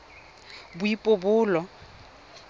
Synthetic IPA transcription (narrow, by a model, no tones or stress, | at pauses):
bʊipʼobʊːlɔ